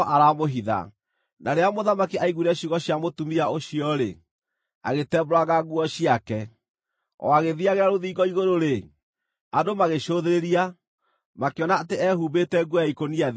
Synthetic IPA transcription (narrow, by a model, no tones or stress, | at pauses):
ʔaɾamoɦiða̰ | naɾeamoðamakiʔaiɣuiɾɛɕiɣɔɕiamotumiaoɕiɔɾḛ | a̰ɣetɛbɾaɣaɣuɔɕiakɛ | ɔ̰aɣeðiaɣeɾaɾoðiːɡɔiɣoɾoɾe | adomaɣeʃoðeɾeɾia | makeɔnaːteɛhubetɛɡɔjaikonia